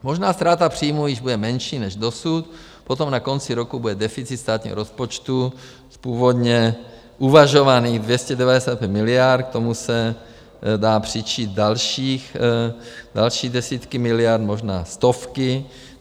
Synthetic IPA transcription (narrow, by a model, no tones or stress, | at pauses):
moʒnaːst̪ɾaːt̪apr̝̥iːmujɪʒbudɛmɛnʃiːnɛʒdosut̪ | pot̪o̞mnako̞nt͡sɪɾokubudɛdɛfɪtt͡sit̪st̪aːt̪ɲḭɦoɾospot͡ʃt̪u | spuːvo̞d̪ɲɛ | ʔuvaʒo̞vaniːɣdvjɛscɛdɛvadɛsaːt̪̚pʲjɛt̪mɪlɪaɾt̪k̚t̪o̞musɛ | daːpr̝̥ɪt͡ʃiːt̪̚dalʃiːx | dalʃiːdɛsiːt̪kɪmɪlɪaɾt̪mo̞ʒnaːst̪ofkɪ